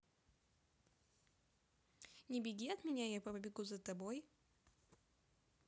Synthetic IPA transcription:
nʲɪbʲɪɡʲiɐt̪mʲɪnʲajapəpɐbʲɪɡuzɐt̪ɐboj

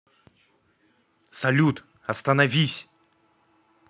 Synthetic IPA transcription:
sɐlʲut̪ | ɐst̪ɐnɐvʲisʲ

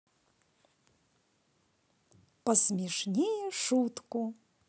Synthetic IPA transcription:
pɐsmʲɛʂnʲejɛʂut̪ku

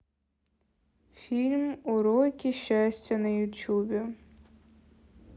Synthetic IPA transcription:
fʲilʲmʊɾɔjkʲiʃt͡ʃasʲtʲɐnɐjʊtʲubʲɪ

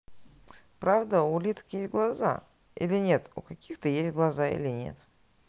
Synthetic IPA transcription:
pɾavd̪əʊlʲit̪ə̥kjesʲtʲɡlˠɐza̰ | ḭlʲɪnʲe̞t̪ṵkɐkʲixt̪əjesʲtʲɡlˠɐzaḭlʲɪnʲe̞̰t̪

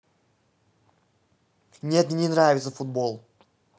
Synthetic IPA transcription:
nʲe̞t̪nʲenɾavʲɪt̪səfud̪̚bo̞lˠ

